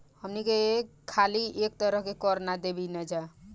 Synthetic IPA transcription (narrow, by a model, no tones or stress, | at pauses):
həmnikekʰːaliʔek̚t̪əɾəɦkekɔɾnad̪ebinɛd͡ʒa